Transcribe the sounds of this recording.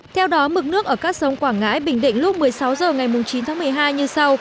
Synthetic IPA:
t̪ʰɛ˧wɗɔ˨˦mɨ˨˩k̚nɨ˦˥ək̚ʔəː˧˩kaː˦˥k̚sə˨˦wŋ͡mkwaː˧˩ŋa̰ː˧˥jɓï˧˩ŋ̟ɗḭ̈˧˨ŋ̟lʊ˦˥k͡p̚mɨ˨˩əjsa˨˦wzəː˨˩ŋa˨˩jmʊ˨˩ŋ͡mt͡ɕi˨˦nt̪aː˨˦m˨˩əjɦaː˧jɲɨ˧sa˧w

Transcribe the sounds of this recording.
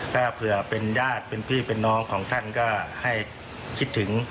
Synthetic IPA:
ka˥˩pʰɯ˧˩ɐpe˧njaː˥˩t̪̚pe˧npʰiː˥˩pe˧nːɔː˧˥ŋkʰɔː˩˦ŋt̪ʰa˥˩nkɔː˧˥˩ha˧˥˩j | kʰi˦˥t̪ʰːɯ˩˦ŋ

